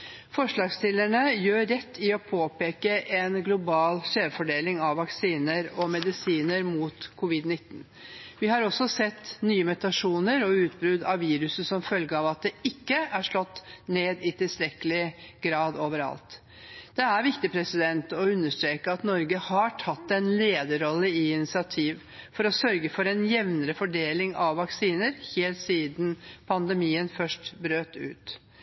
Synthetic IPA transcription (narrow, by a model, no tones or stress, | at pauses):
fɔʂɭɑːɡst̪ɪlæɳəjøːɛt̪ʰːɪɔpʰoːpeːkəʔɛnɡlʊbɑːlʂeːʋfɔɖeːlɪŋɑʋːɑksiːnəɾɔmɛd̪ɪsiːnəɾmuːt̪kʰʊʋɪd̪nɪt̪ːn | ʋɪhɑɾɔsːɔsɛt̪ːnyːəmʉt̪ɑʂuːnəɾɔʉːt̪̚bɾʉd̪ɑʋʋiːɾʉsəsɔmfœlɡəɑːʋɑt̪̚d̪ɛɪkːəæʂɭɔt̪ːneːd̪ɪt̪ʰɪlst̪ɾɛkəlɪɡɾɑːd̪oːʋəɾɑ̰lt̪ | d̪̥ɛæɾʋɪkt̪ɪpʰɾɛsɪd̪ɛnt̪ɔʉnːəʂt̪ɾeːkəɑt̪nɔɾɡəhɑʈʰɑt̪ːɛnleːd̪əɾɔlːəɪɪnɪsɪɑt̪ʰiːʋ | fɔɾɔsœɾɡəfɔɾɛnjɛʋnəɾəfɔɖeːlɪŋɑʋːɑksiːnəɾheːlt̪siːd̪n̩pʰɑnd̪əmiːənfœʂʈbɾøːt̪ʉ̰ːt̪